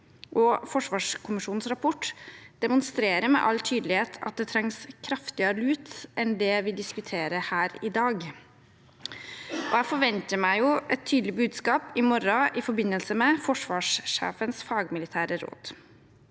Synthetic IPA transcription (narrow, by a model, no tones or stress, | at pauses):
ʔɔfɔʂʋɑːʂkʰʊmɪʂuːn̩sɾɑpʰɔʈːd̪̥ɛmʊnst̪ɾeːɾəɾmɛ̰ʔɑlt̪ʰyːd̪lɪheːt̪ʰɑ̰t̪̚d̪ɛt̪ʰɾɑŋskʰɾɑft̪ɪəɾəlʉːt̪ʔɛnd̪ɛʋɪd̪ɪskʉt̪ʰeːɾəhæːɾɪd̪ɑːɡ | ʔɔæɪfɔɾʋɛnt̪əmæɪjʊʔɛt̪ʰːyːd̪lɪbʉːd̪skɑːpɪmɔɾɑʔɪfɔɾbɪnːəlsəmɛfɔʂʋɑːʂʂḛːfənsfɑːɡmɪlɪt̪ʰæːɾəɾo̰ːd̪̥